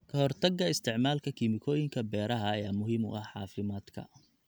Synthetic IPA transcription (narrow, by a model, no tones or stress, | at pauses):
kʰɐɦɔrt̪ʰɐɡːɐɪst̪ʰɪʕmaːlkʰɐkʰiːmɪkʰɔːjɪŋkʰɐbɛːɾɐɦɐːjaːmʊɦiːmʊ̰ʔɐħɑːfɪmaːd̪kʰɐ̰